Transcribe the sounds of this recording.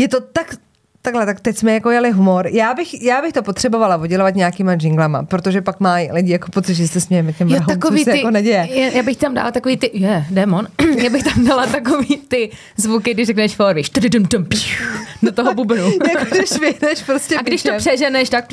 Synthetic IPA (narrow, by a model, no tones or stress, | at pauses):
jɛt̪o̞t̪ak | t̪aɡlɛt̪akt̪ɛcsmɛjakojalɪɦumo̞ɾjaːbɪxjaːbɪxt̪o̞pot̪r̥ɛbo̞valavoɟɛlovat̪ɲaːkiːmaʒɪŋɡlama̰pɾot̪o̞ʒɛpakmajlɪɟɪjako̞po̞tt͡sɪt̪ʒɛsɛsɛsɲɛjɛmɛcɛmɾaaɦ̪amkoisːɛjaɪkonɛɟɛjɛɛjaːbɪxt̪amda̰ːlat̪akoviːt̪ɪjɛdɛːmonjaːbɪxt̪amdalat̪akoviːt̪ɪ | zvukɪɡdɪʃrɛknɛʃfoɾviʃt̪ɛdɪdɛmt̪ɛmpixdat̪oɦobubɪnujakodɪʃvɪnɛʃpɾoscɛaɡddɪʃt̪opsɛʒɛnɛʃt̪ak̚